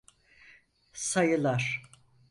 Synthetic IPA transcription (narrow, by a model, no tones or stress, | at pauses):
sajɯlˠaɾ̥